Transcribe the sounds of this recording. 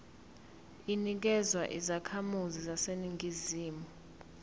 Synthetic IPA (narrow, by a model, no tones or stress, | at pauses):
inik̬ɛzwaʔḭzakʰamuzizaseniŋʱiziːmu